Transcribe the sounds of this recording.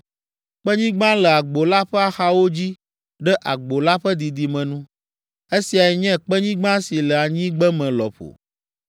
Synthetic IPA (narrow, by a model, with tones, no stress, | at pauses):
k͡pɛ˦ɲĩ˦ɡ͡bã˦lə˨a˨ɡ͡bo˨la˦ɸɛ˦a˨xa˦wo˦d͡ʑi˦ | ɖɛ˦ʔa˨ɡ͡bo˨la˦ɸə˦d̪i˨d̪i˨mɛ̃˨nũ˦ | e˦si˨a˨ɛ˨ɲɛ̃˦k͡pɛ˦ɲĩ˦ɡ͡bã˦si˨lə˨a˨ɲĩ˦ɡ͡bɛ˦mɛ̃˨lɔ̰˨ɸo̰˨